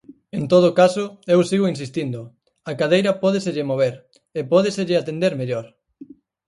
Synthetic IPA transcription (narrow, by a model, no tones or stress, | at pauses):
ent̪oð̞okasʊewsiɣoinsist̪ind̪ʊ | akaðejɾɐpɔð̞eseʎɪmoβ̞eɾ | epɔðeseʎɪat̪end̪eɾmeʎoɾ